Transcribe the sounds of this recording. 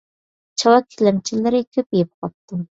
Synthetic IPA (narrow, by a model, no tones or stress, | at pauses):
t͡ʃʰɑwɑkʲʰːilɪmt͡ʃʰilɪɾɪkʲʰøpjep̚qʰɑt̚t̪ʰːɨ